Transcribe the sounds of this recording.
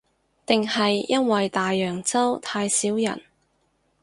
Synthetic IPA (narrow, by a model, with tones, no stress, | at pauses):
t̪ɪ˨ŋhɐ˨jːɐ˥nwɐ˨jt̪aː˨jːœː˨˩ŋt͡sɐ˥wt̪ʰaː˧jsiː˨˥wjɐ̰˨˩n